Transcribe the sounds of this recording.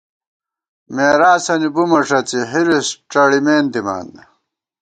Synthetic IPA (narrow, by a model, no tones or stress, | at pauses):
meːɾaːsɐnibumɐʂɐt͡siɦiɾisʈ͡ʂɐɽimeːnd̪ima̰ːnd̪ɐ